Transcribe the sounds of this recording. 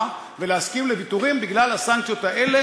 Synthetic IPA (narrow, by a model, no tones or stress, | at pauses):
ve̞leaskimlebit̪uʁimbiɡlalhasaŋk̚t͡sjo̞t̪aele